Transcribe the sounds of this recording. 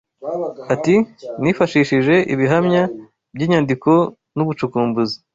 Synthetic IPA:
atinifaʃiːʃiʒe̞ʔiβiɦamɲa | bɟiːɲaːndiko̞ | nuβut͡ʃukuːmbuzi

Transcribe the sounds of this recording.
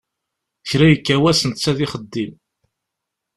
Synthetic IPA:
çɾæjəkːæwæsənt̪t͡sːæðɪχəd̪ːim

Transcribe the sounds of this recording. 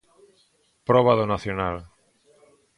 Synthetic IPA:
pɾɔβ̞aðonaθjonal

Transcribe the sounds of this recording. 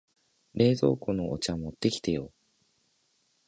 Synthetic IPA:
ɾe̞ːzo̞̰ːkonoʔo̰t͡ɕamot̪ːe̞kʲi̥t̪e̞jo̞ː

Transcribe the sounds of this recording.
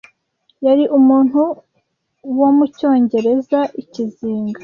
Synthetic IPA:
jaɾiʔumuːn̥hu | wo̞muco̞ːɲɟe̞ɾe̞zaʔiciziːŋɡa

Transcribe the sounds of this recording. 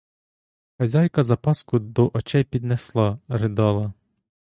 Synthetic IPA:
xɐzʲɑjkɐzɐpɑskʊd̪ɔʔɔt͡ʃɛjpʲid̪neslˠɑɾɪd̪ɑlˠɐ

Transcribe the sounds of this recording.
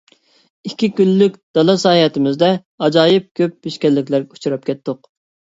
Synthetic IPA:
ikʲːikʲylːykʲd̪̥ɑlˠɑsɑːhɛt̪ɪmɪzd̪ɛ | ɑd͡ʒɑːjɪp̚kʲʰøp̚biʃkʲɛlːɪkʲlæɾɡʲɛu̥t͡ʃʰuɾɑp̚kʲʰɛt̪ːʊq

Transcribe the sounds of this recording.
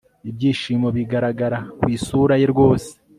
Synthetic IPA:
ibɟiːʃiːmo̞βiɡaɾaɡaɾakwiːsuːɾaje̞ɾɡwo̞ːse̥

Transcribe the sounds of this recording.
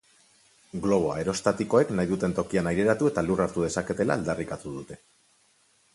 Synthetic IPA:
ɡlo̞β̞o̞a̰e̞ɾo̞st̪at̪iko̞e̞knajðut̪e̞nt̪o̞kianajɾe̞ɾat̪ue̞t̪aluraɾt̪uð̞e̞sake̞t̪e̞la̰ːld̪arikat̪uðut̪e̞̥

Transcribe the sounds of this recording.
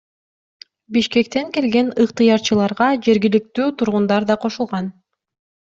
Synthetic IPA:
biʃke̞k̚t̪e̞ŋke̞lɡe̞nɯqt̪ɯjɑɾt͡ʃɯlˠɑɾʁɑd͡ʒe̞ɾɡilik̚t̪yːt̪ʰuɾʁund̪ɑɾd̪ɑqʰo̞ʃulˠʁɑn

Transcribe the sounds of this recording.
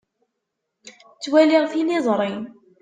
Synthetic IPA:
t͡sːwæliʁθinizˤɾˤin

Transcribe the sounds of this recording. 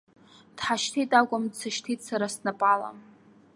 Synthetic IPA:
d̥ħaʃtʰitʼakʷʼʊmdt͡sʰaʃtʰitʼsaɾasnapʼala̰m

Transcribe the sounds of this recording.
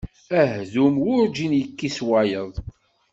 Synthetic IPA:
æɦðumwʊɾd͡ʒinjəkːiswajəðˤ

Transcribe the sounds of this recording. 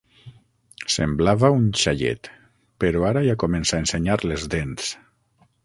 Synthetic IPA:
sḛmblaβaunʃaʎḛt̪ | peɾoaɾajakomensaenseɲaɾlezðens

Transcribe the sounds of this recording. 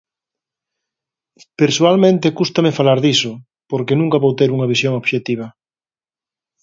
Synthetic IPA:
peɾsualmẽnt̪ekust̪ɐmefalaɾðisʊ | poɾkenũŋkɐβowt̪eɾuŋɐβisjoŋoβʃet̪iβ̞ɐ

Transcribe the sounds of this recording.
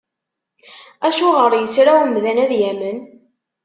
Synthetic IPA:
æʃʊʁəɾjəsɾawmðænæðjæmən

